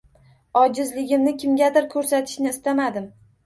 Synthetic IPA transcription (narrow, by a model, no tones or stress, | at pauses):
ɒd͡ʒɪzlɪɡʲɪmnɪkʲʰɪmɡʲad̪ɪɾkʰɵɾsat̪ʰɪ̥ʃnɪːst̪amad̪ɪm